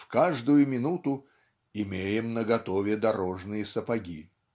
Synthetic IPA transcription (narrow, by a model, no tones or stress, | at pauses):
fkaʐd̪ʊjʊmʲɪnut̪ʊ | ɪmʲejɪmnəɡɐt̪ovʲɪd̪ɐɾoʐnɨjəsəpɐɡʲḭ